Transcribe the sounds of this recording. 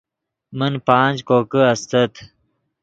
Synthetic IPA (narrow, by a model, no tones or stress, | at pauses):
mənpãːnd͡ʑkoːkəɐst̪ɐt̪ʰ